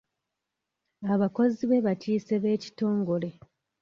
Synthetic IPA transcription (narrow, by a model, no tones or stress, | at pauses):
aβako̞ziβe̞βaciːse̞βe̞ːci̥to̞ːŋɡo̞le̞